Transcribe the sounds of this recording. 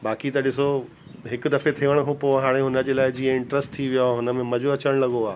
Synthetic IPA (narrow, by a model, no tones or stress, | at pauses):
baːkit̪ɐɗɪso | ɦɪkʊd̪ɐfet̪ʰiʋəɽ̃ɦʰopoɦaːɽ̃eɦʊnə̆d͡ʑeːlaːɪd͡ʑiːəɪ̃ɳʈɾəsʈt̪ʰiʋijoɦʊnə̆mẽmɐd͡ʑoɐt͡ɕəɽ̃lɐɠoaː